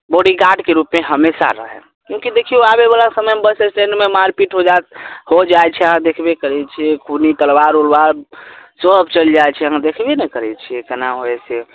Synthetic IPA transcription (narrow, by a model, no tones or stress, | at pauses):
boɽiɡaʈkeɾupmeɦəmesa̰ɾə̰ɦɛ̰ | kjũkid̪ekʰioabebalasəməjmebəsesʈeɳɖmemaɾpiʈɦod͡ʒat̪̚hod͡ʒajt͡ʃʰɛəɦãd̪ekʰbekəɾɛt͡ʃʰiɛkʰunit̪əlwaɾulwaɾsəbt͡ʃəld͡ʒajt͡ʃʰɛəɦãd̪ekʰbenɛkəɾɛt͡ʃʰiɛkənaɦoese